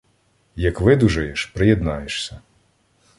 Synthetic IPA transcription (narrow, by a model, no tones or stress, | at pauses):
jɐkʋɪd̪uʒɐjeʃpɾɪjɛd̪nɑjeʃsʲɐ